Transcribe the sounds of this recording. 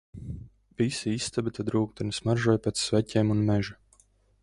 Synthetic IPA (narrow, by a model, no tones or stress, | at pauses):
visiist̪abet̪ʰad̪ɾuːk̚d̪ɛnɨsmaɾʒɔjpet̪svʲɛcʲeːmunmɛʒu